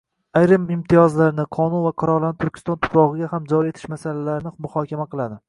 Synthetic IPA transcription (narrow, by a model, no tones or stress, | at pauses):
ajɾɪmɪmt̪ʰijɒzlaɾnɪqʰɒnunvaqʰʊɾɒɾlant̪ʰʊɾkʲʰɪ̥st̪ɒnt̪ʰʊ̥pʰɾɒʁɨɡʲahamd͡ʒɒɾie̞t̪ʰɪ̥ʃmasalalaɾɪnɪmʊhɒkʲamaqʰɨlˠad̪ɪ